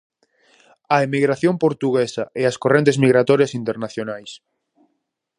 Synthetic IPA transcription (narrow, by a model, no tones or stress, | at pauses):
ɐemiɣɾaθjompoɾt̪uɣesɐʔeɐskorent̪̬ezmiɣɾat̪ɔɾjɐsint̪eɾnaθjonajs